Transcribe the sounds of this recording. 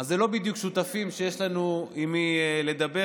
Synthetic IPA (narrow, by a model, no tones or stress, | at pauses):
azːelo̞bid̪jukʃut̪afimʃejeʃlanuimile̞d̪abe